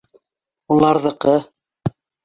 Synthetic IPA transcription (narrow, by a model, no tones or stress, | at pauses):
ulˠɑɾðɤ̆qɤ